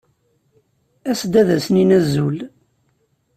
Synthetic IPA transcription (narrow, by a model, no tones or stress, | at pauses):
æsd̪æðæsninæzːul